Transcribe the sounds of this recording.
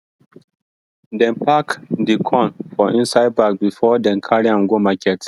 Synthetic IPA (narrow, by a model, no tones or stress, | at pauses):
dɛ̃npakdikʰɔ̃nfɔ̃ʔĩnsaɪd̚bak̚bifɔdɛ̃nkʰaɹiãmɡomakʰɛt